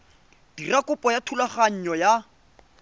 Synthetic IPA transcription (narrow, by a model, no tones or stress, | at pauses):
d̥irakʼʊpʼɔjatʰulaχaɲ̩ɲɔja